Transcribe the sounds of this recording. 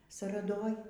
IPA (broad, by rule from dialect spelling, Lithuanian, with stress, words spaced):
sɐrɐˈdoːj